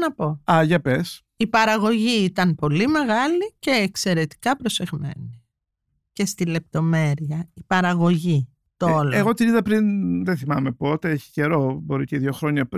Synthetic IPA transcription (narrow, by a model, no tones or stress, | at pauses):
nɐpo̞ɐʝɐpes | ipɐɾɐɣo̞ʝiit̪ɐnpo̞lime̞ɣɐlice̞ːkse̞ɾe̞t̪i̥kɐpɾo̞se̞ɣme̞̰ni | ce̞st̪ile̞p̚t̪o̞me̞ɾiɐipɐɾɐɣo̞ʝi | t̪ooleɣot̪iniðɐpɾinðenθimɐmepo̞t̪eeçi̥ce̞ɾobo̞ɾiceiðʝo̞xɾo̞ɲɐp